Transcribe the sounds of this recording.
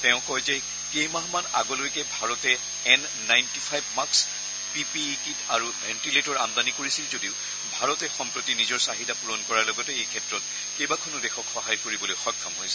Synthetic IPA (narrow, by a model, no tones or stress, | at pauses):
tɛʊ̃kɔjzɛ | kejmaɦmana̰ɡɔlojkɛbʱaɹɔtɛ | ɛnːajntipʰajbmaks | pipi | kitaɹubʱɛntiletɔɹamd̪anikoɹisilzodiʊ | bʱaɹɔtɛxɔmpɹotinizɔɹsaɦitapuɹɔnkɔɹaɹlɔɡɔtɛejkʰɛtɹɔt̚ | kejbakʰɔnɔdɛxɔkxɔɦajkoɹibɔlojxɔkʰːamɦojsɛ